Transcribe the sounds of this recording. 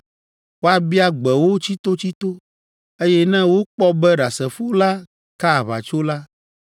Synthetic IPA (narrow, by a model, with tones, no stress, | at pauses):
wo˦a˨bi˦a˦ɡ͡bɛ˨wo˦t͡ɕi˦t̪o˦t͡ɕi˦t̪o˦ | e˦jɛ˦nɛ̃˦wo˦k͡pɔ˦bɛ˦ɖa˨sɛ˨fo˦la˦ | ka˦˨βa̰˨t͡ʃo˦la˦